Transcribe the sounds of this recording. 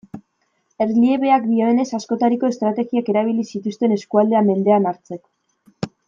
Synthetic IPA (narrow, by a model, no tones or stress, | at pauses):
e̞rlie̞βe̞akd̪ioene̞sasko̞t̪aɾiko̞e̞st̪ɾat̪e̞ɣiake̞ɾaβ̞ilisit̪ust̪e̞ne̞skuald̪e̞ame̞nd̪e̞anaɾt͡se̞ko̥